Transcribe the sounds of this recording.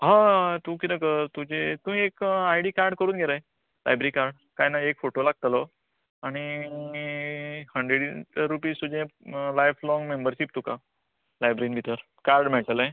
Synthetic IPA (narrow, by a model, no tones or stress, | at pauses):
ɦãt̪ũk̬inəkət̪ud͡ʑet̪ũːekajɽiːkaɾɖkəɾuːnɡʱeɾaj | la̰jbɾikaɾɖ | kajnaekfoʈolaɡ̚t̪əlɔ | aɽ̃iihəɳɖɾeɽiɾːupiːzt̪ud͡ʑẽlajflɔŋɡmembəɾɕip̚t̪ũka | lajbɾinbʱit̪əɾ | kaɾɖmɛʈəlẽ